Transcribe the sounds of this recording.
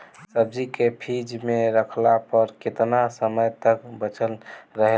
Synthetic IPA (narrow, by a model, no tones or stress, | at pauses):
səb̚d͡ʒikepʰid͡ʒmeɾəkʰlapəɾket̪nasəməjt̪əkbət͡ʃʰəlɾəɦe